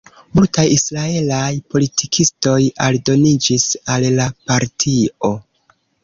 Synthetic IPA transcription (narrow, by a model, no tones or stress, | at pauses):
multajisɾae̞lajpo̞litʰikʰisto̞ja̰ldo̞nid͡ʒisallapaɾtʰio̞